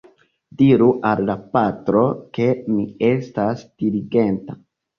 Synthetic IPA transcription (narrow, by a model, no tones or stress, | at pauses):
diɾuʔalːapatɾo̞ke̞mie̞stasd̥iliɡe̞nta